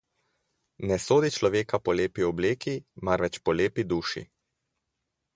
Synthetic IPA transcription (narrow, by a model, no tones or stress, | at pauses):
nɛsoːd̪it͡ʃlɔʋeːkapɔleːpiɔbleːkimaɾʋɛt͡ʃpɔleːpid̪uːʃḭ